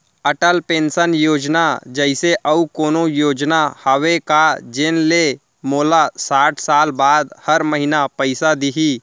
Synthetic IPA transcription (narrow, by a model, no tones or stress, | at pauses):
əʈəlpẽːnsənjoːd͡ʒnad͡ʒəɪseʔəukoːnojoːd͡ʒnahəʋekad͡ʒɪnle | moːlasaːʈʰsaːlbaːd̪həɾməɦɪnapəɪsad̪iɦi